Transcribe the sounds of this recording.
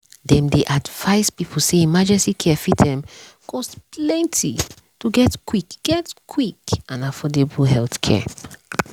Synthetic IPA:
dɛ̃mdeʔadv̥aɪspipʰl̩seĩmad͡ʒɛstikʰɛɛfitdɛ̃m | kʰɔ̃stplɛ̃ntʰi | tuɡɛtkwikɡ̥ɛtkʰwikãnafɔdebɦɛlθkʰɛ̰

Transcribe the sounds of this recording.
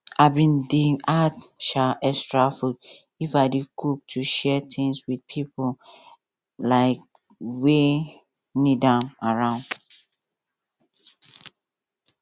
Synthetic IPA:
aɪbĩndĩŋatʃaʔɛstɹafud | ifadekʰuk̚tʰuʃɛtʰĩŋswid̚pʰipo | laɪk̚ | we | nidãmaɹãʊ̃nd

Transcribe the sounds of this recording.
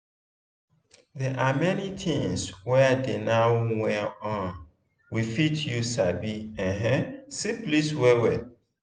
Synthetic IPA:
ðɛʔamɛnitʰĩŋswɛdenawwɛɔ̃n | wifitʰjusabiɛ̃ɦɛ̃sipliswɛwɛ

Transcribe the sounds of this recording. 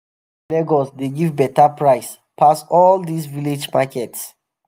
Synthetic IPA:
lɛɡɔsdeɡivbɛtapɹaɪs | pʰasɔld̪isviled͡ʒmakɛts

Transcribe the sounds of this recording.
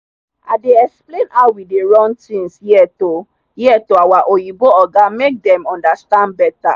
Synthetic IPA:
a̰deɛksplenawideɹɔ̃ntĩnshiɛto | hiɛtoawaʔojiboɔɡamek̚dɛ̃mɔ̃ndastãnd̚bɛta̰

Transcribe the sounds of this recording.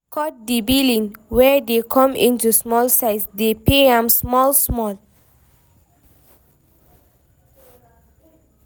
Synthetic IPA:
kʰɔt̚dibilĩnwɛdekʰɔ̃mḭ̃ntusmɔlsaɪsdepeãmsmɔlsmɔl

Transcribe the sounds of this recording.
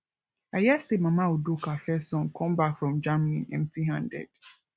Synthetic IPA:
ajɛsemãmãodokʰafɛsɔ̃nkʰɔ̃mbakfɹɔ̃md͡ʒamnĩnɛ̰̃mtʰiɦãndɛ̰d̥

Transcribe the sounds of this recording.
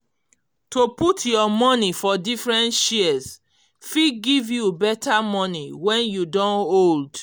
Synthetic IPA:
toputʰjɔmɔnifɔdifɹɛ̃ntʃiɛs | fiɡivjubɛtʰamɔniwɛ̃njudɔ̃nold

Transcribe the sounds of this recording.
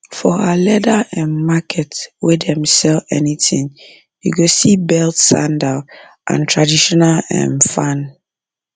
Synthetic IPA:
fɔalɛdaɛ̃nmakʰɛtwidɛ̃msɛlɛ̰nitĩŋ | juɡosibɛltsã̰ndal | ʔã̰ntʰɹadiʃɔnalɛ̰̃nfãn

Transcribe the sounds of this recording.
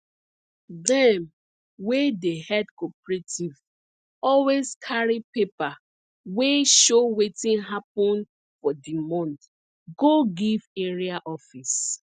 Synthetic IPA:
dɛ̃m | wedehɛdkɔpɹetʰiv | ɔlweskʰaɹipepa | weʃowetĩnɦapɔ̃n | fɔdimɔ̃nt | ɡoɡiveɹiaʔɔfis

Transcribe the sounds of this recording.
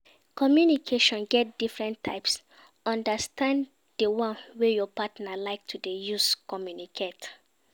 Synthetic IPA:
kɔmjunikʰeʃɔ̃nɡɛt̚d̥ifɹɛ̃ntʰːa̰ɪps | ɔ̃ndastãn | d̥əwɔ̃nwejɔpatnalaɪk̚tʰudejuskɔmjunikʰet

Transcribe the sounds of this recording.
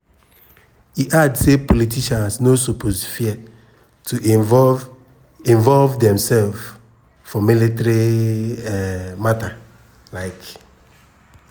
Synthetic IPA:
iʔadsepolitiʃãnsnosupʰosfiɛ | tu | ĩnvɔlvdɛ̃msɛlf | fɔmilitɾiɛmata | laɪk

